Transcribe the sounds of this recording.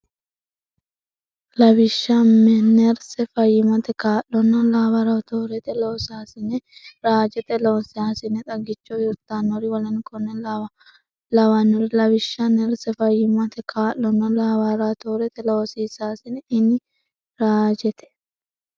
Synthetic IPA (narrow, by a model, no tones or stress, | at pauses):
lɐbɪʃːamːɛnɛɾsɛfɐjːɪmɐt̪ɛkaːʔːɔnːɐlaːbaɾɐt̪oːɾɛt̪ɛlosaːsɪnɛɾaːd͡ʒɛt̪ɛloɔsɪaːsɪnɛt̪ʼɐɡːɪt͡ʃːɔjʊɾt̪aːnɔɾɪwɔlɐnkʰɔnːɛl | lɐwanːɔɾɪlɐbɪʃːɐnɛɾsɛfɐjːɪmɐt̪ɛkʰaːʔːɔnːɐlaːbaɾat̪oːɾɛt̪ɛlɐɔsiːsaːsɪnɛɪnːɪ | ɾaːd͡ʒɛt̪ɛ̥